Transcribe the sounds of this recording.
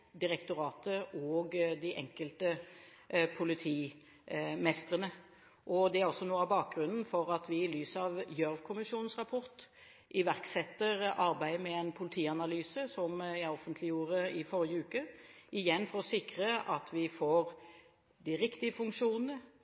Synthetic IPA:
d̪ɪɾɛkt̪ʊɾɑːt̪əoːɡd̪ɪʔɛ̰ŋkəlt̪ə | pʰʊlɪt̪ʰiː | mɛst̪ɾənə | ʔɔd̪ɛæɾɔsːɔnuːəɑbɑːk̚ɡɾʉnn̩fɔɾɑt̪ʋɪɪlyːsɑʋjœɾʋkʰʊmɪʃuːnn̩sʁɑpʰɔɾt̪ | ʔɪʋæʁksɛt̪ːəɾɑɾbæɪmɛɛnpʰʊlɪt̪ʰiːɑnɑlyːsəsɔmjæɪɔfənt̪lɪjuːɾəɪfɔɾɪjəʉːkəɪjɛnːfɔɾɔsɪkɾəʔɑt̪ʰʋɪfoːɾ | d̪ɪɾɪkt̪ɪəfʉŋkʂuːnənə

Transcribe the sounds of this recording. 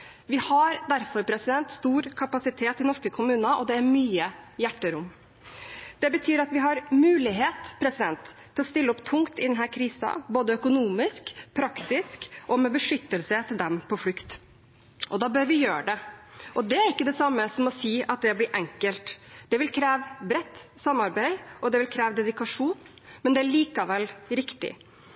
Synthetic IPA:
ʋɪhɑɾd̪æɾfɔɾpʰɾɛsɪd̪ɛnt̪st̪uːɾkʰɑpɑsɪt̪ʰeːt̪ɪnɔʂkəkʰʊmʉːnɑʔɔd̪ɛæɾmyːəjæʈːəɾʊmː | d̪̥ɛbət̪ʰyːɾɑt̪ʋɪɦɑɾmʉːlɪɦeːt̪pʰɾɛsɪd̪ɛnt̪t̪ʰːɪlɔst̪ɪlːəɔpt̪ʰʊŋkt̪ɪd̪ɛnɦæːɾkʰɾiːsɑ̰boːd̪əœkʊnuːmɪskpʰɾɑkt̪ɪskʔɔmɛbəʂʏt̪ːəlsət̪ʰɪld̪ɛmpʰɔflʉkt̪ | ʔɔd̪ɑːbøɾʋɪjøːəɖɛʔɔd̪ɛæɾɪkːəd̪ɛsɑmːəsɔmɔsiːɑt̪̚d̪ɛblɪɾʔɛŋkəlt̪d̪̥ɛʋɪlkʰɾæːʋbɾɛt̪ːsɑmɑɾbæɪʔɔd̪ɛʋɪlkʰɾæːʋəd̪ɛd̪ɪkɑʂuːn | mɛnd̪ɛæɭiːkɑʋɛlːɾɪkt̪ɪ̰

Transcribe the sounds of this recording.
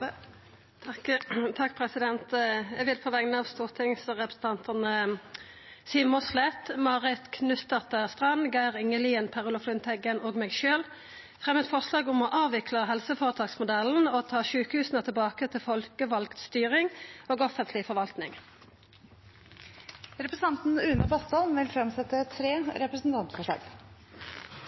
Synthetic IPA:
t̪ʰɑkːpʰʁɛsɪd̪ɛnt̪ɛʋɪlpʰoːʋɛŋnəɑʋst̪uːʁt̪ʰɪŋsɔʁɛpɾʁ̥əsn̩t̪ʰɑnt̪ʰənə | siːʋmɔslɛt̪mɑːʁɪt̪kʰnʉt̪əʁt̪əst̪ʁɑnɡæɪʁʏŋəliːənpʰæʁʊlɔflʏnt̪ʰɛɡənoːɡmɛːɡʃøːl | fʁɛmːɛt̪fɔʁʂlɑːɡʊmoːʔɑːʋɪkʰləɦɛlsəfoːʁət̪ʰɑːɡsmʊd̪ɛln̩oːt̪ʰɑːʃʉːkhʉːsn̩ət̪ʰəlbɑːkət̪ʰɪlfɔlkəʋɑlkt̪st̪yːʁɪŋoːɡɔfənt̪ʰlɪfɔʁʋɑlt̪nɪŋ | ɾɛpɾəsn̩ɑnt̪n̩ʉːnəbɑst̪ɔlnʋɪlfɾɑmsɛt̪ːət̪ʰɾeːɾɛpɾəsn̩t̪ʰɑnt̪foːʂɭɑ̰ːɡ

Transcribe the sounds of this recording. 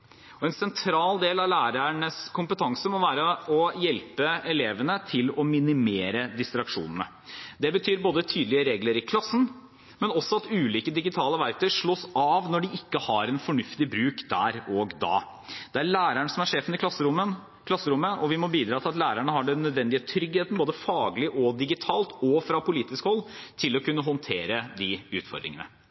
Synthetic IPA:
ɔɛnsɛnt̪ʰɾɑːld̪eːlɑʋlæːɾæɳəskʰʊmpət̪ʰɑŋsəmɔʋæːɾəɔjɛlpəɛleːʋənət̪ʰɪlɔmɪnɪmeːɾəd̪ɪst̪ɾɑkʂṵːnənə̰ | d̪ɛbət̪ʰyːɾboːd̪ət̪ʰyːd̪lɪəɾeːɡləɾɪkʰlɑsːn̩ | mɛnɔsːɔɑt̪ʉːliːkəd̪ɪɡɪt̪ʰɑːləʋæɾk̚t̪ʰœʂɭoːsɑʋnɔɖɪɪkːəhɑɾɛnfɔɳʉft̪ɪbɾʉːkd̪æːɾɔɡd̪ɑ̰ː | d̪ɛæɾɭæːɾæɳəsɔmæʂeːfənɪk̪ɑsəɾʊən | kʰlɑsːəɾʊmːəʔɔʋɪmɔbiːd̪ɾɑːt̪ɪlɑt̪læːɾæɳəɦɑɖɛnːœd̪ʋɛnd̪ɪet̪ʰɾʏɡheːt̪n̩boːd̪əfɑːɡlɪʔɔd̪ɪɡɪt̪ʰɑːlt̪ɔfɾɑpʊliːt̪ɪskhɔlːt̪ʰɪlɔkʉnːəɦɔnt̪ʰeːɾəd̪ɪʉ̰ːt̪fɔ̰ɾd̪ɾɪ̰ŋə̰nə̰

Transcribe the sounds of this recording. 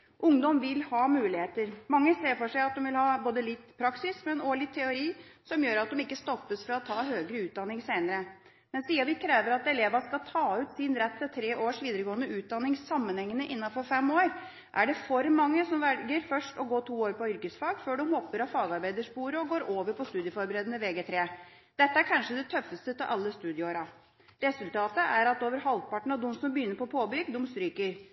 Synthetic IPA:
ʔʊŋd̪ɔmʋɪlhɑːmʉːlɪheːt̪əɾmɑŋːəseːfɔʂæɪɑt̪̚d̪ɔmʋɪlhɑːboːd̪əlɪt̪ːpʰɾɑksɪsmɛnoːɭɪt̪ʰːɛʊɾiːsɔmjøːɾɑt̪̚d̪ɔmɪkːəst̪ɔpːəsfɔɾɔt̪ʰɑːɦøːɡɾəʉːt̪̚d̪ɑnːɪŋseɪnəɾə | mɛnsiːɑʋɪkʰɾeːʋəɾɑt̪ɛleːʋɑskɑlt̪ʰɑːʉːt̪sɪnɾɛt̪ːsɛt̪ʰɾeːʔoːʂʋiːd̪əɾəɡoːənəʉːt̪̚d̪ɑnːɪŋsɑmːənhɛŋːənəʔɪnːɑfɔɾfɛmoːɾ | ʔæɖɛfɔɾmɑŋːəsɔmʋɛlɡəɾfœʂʈɔɡoːʈʰuːoːɾpɔʏɾkəsfɑːɡføːɖɔmhɔpːəɾɑfɑːɡɑɾbæɪd̪əʂpuːɾəɔɡoːɾoːʋəɾpʰɔst̪ʉːd̪jəfɔɾbəɾeːd̪ənəʋeːɡeːt̪ʰɾeː | d̪̥ɛt̪ːəæɾkʰɑnʂəd̪ɛt̪ʰœfːəst̪ət̪ʰɪlʔɑlːəst̪ʉːd̪ɪoɾɑ | ɾɛsʉlt̪ʰɑːt̪əʔæɾɑt̪oːʋəɾɦɑlpɑʈɳ̩ɑʋd̪ɔmsɔmbəjʏnːəɾpɔpʰoːbʏɡd̪ʊmst̪ɾyːkəɾ

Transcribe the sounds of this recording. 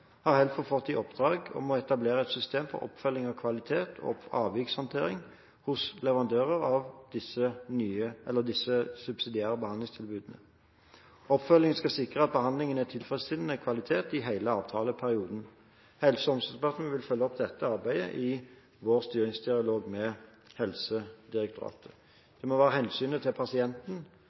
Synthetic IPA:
hɑʁhɛlfɔfɔt̪ːiʔɔpd̪̥ɾɑːɡɔ̰mɔɛt̪ɑbleːʁəɛt̪sʏst̪eːmfɔ̰ɾɔ̰pfœlːɪŋɔkʰʋɑlɪt̪ʰeːt̪ʰɔ̰ɑːʋjɪkshɑnt̪ʰeːʁɪŋ | hʊslɛʋəʁɑnd̪øːʁəʁɑʋd̪̥ɪsːənyːəʔɛlːəd̪ɪsəsʉbsɪd̪ɪæːʁəbəhɑnd̪lɪŋst̪ʰɪlbʉːd̪nə̰ | ɔpːfœlːɪŋən̩skɑsɪkʁəɑt̪̚bəhɑnd̪lɪŋənæt̪ʰɪlfʁɛsɪd̪n̩əkʰʋɑlɪt̪ʰeːt̪ɪɦæɪləɑːʋt̪ʰɑːləpʰæʁɪuːd̪n̩ | hɛlsəɔmsɔspʰɑt̪ən̩ʋɪlfœlːəɔp̚d̪ɛt̪ːəɑʁbæɪd̪ə̰ʔɪ | ʋoːʁst̪yːɾɪŋsd̪ɪɑloːɡmɛ | hɛlsəd̪ɪʁɛk̚t̪ʰʊɾɑ̰ːt̪ʰə̥ | d̪̥ɛmɔʋæːʁəhɛnsyːnət̪ʰɪlpʰɑsɪɛnt̪n̩

